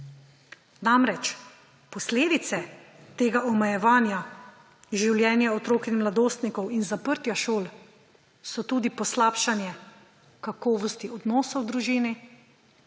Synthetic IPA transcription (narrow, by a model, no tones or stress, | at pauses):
namɾɛt͡ʃ | pɔsleːd̪it̪sɛ | t̪eːɡaʔɔmɛjɛʋaːnja | ʒiwljɛːnjaɔt̪ɾoːkinmlad̪oːst̪nikɔwinzapəɾt̪jaʃoːl | sɔt̪uːd̪ipɔslaːpʃanjɛ | kakɔːʋɔst̪iɔd̪nɔːsɔwd̪ɾuʒiːni